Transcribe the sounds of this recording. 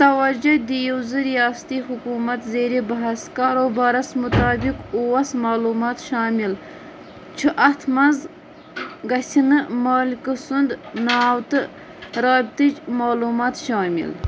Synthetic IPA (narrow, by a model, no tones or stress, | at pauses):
t̪ɐwɐd͡ʒɐd̪ijiwzɨɾijɑːst̪ihukuːmɐt̪zeːɾebɐɦɐskɑːɾobaɾɐsmut̪ɑːbikuwɐsmaːluːmɑːt̪ʃɑːmil | t͡ʃʰuʔɐht̪ʰmɐnz | ɡɐsinɨmɑːlkəsund̪nɑwt̪ɨ | ɾɑːbt̪it͡ʃmaːluːmɑːt̪ʃɑːmḭl